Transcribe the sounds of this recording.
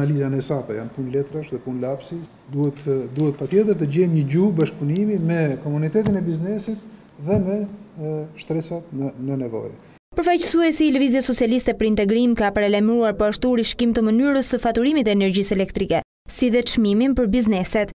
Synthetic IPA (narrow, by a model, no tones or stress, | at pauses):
alizanɛsap̪aja̰npunlɛt̪ɾaʃðɛpunlapsi | d̪uɛt̪d̪uhɛt̪pat̪jɛt̪̬əɾt̪əɟɛmɲəɟubaʃk̚punimimɛkɔmunit̪ɛt̪inɛbiznɛsit̪ | ðɛmɛ | ʃt̪ɾɛsat̪ənənɛvɔ̰j | pəɾfajt͡ʃə̥suɛsiːləviziasɔt͡sialist̪ɛpəɾint̪ɛɡɾimkapaɾɛlamɾuaɾpɔaʃt̪uɾiʃkimt̪əmənyɾəsəfat̪uɾimit̪ɛnɛɾd͡ʑisɛlɛkt̪ɾikɛ | siðɛt͡ʃmiminpəɾbiznɛsɛt̪